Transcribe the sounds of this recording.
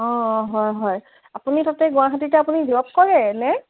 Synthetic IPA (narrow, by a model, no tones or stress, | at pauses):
ɔ̃ɦɔjɦɔj | apunitatɛɡʊ̃aɦat̬itɛapunidɔp̚kɔɹɛnɛ